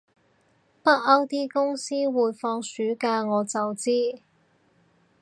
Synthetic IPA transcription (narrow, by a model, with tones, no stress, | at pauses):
pɐ˥t̚ɐ˥wt̪iː˥kʊ˥ŋsiː˥wuː˨˧jfɔː˧ŋsyː˨˥kaː˧ŋɔː˨˧t͡sɐ˨wt͡siː˥